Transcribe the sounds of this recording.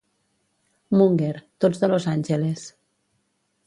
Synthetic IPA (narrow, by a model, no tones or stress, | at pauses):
muŋɡeɾt̪od͡zðəlozanʲʒeles